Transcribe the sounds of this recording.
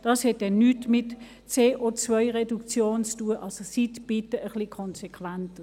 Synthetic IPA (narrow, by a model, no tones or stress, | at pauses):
d̥ɑːshɛt̚dɛnnyːtmɪt | t͡seːʔot͡svœɪʁedukt͡sjoːnt͡stuəʔɑlsositb̥itəʔəχlikʰɔnsekʰʋæntə